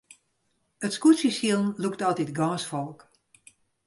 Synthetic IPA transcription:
ətskutsisjilˠnluktɑlˠtitɡɑ̃ːsfɔlˠk

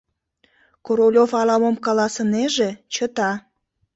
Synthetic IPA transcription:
koɾolʲofɑlɑmomkɑlɑsəneʒe̽t͡ɕət̪ɑ

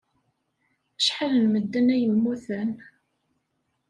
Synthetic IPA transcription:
əʃħalənməd̪ːənæjəmːuθən

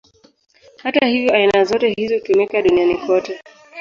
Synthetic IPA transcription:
hatahivjɔainazɔtɛɦizɔkɛmɛkaɗunianikwɔtɛ

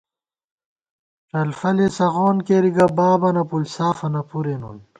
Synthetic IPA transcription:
ʈɐlfɐlesɐɣoːnkeɾiɡɐbaːbɐnɐpulsaːfɐnɐpuɾenṵn

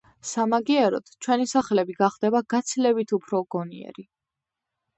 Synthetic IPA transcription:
samaɡiɛɾɔt̪ʰt͡ʃʰwɛnisaχlɛbiɡaχd̪ɛbaɡat̪sʰilɛbit̪ʰupʰɾɔɡ̥ɔnḭɛ̰ɾi

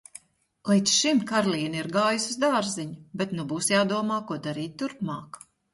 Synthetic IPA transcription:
lˠit̪sʃimkaɾlˠiːniɾɡaːjusuzd̪aːɾziɲubɛt̪nubuːsjaːd̪uɔmaːkuɔd̪aɾiːt̪̚ːuɾpmɑːk

